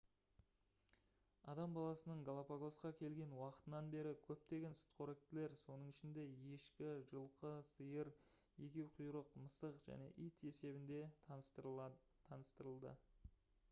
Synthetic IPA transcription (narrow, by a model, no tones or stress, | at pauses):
ɑ̰d̪ɑmbɑlˠɑsənəɴɡolˠapaɡo̞sqɑkʲʰe̞lɡʲe̞nwɑqə̥t̪ənɑnbe̞ɾɪkʲʰɵp̚t̪e̞ɡʲe̞nsʊ̥t̪qʰoɾek̚t̪ɪle̞ɾso̞nəɴɪʃɪnd̪e̞je̞ʃkʲɪʒəlˠqəsəjəɾ | je̞kʲe̞wqʰʊjɾəqməsəqʒ̥æ̰ne̞̰ʔijt̪e̞se̞bɪnd̪e̞ | t̪ʰːɑnəst̪əɾəlˠd̪ə̰